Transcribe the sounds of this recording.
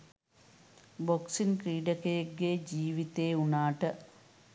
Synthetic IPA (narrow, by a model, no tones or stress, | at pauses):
boksinkɾiːɖɐkeɡeːd͡ʑiːʋit̪ːeːunaːʈɨ